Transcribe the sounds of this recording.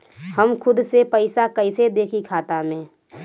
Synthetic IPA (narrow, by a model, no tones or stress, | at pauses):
həmkʰʊd̪sepəɪsakəɪsed̪eːkʰikʰaːt̪amẽ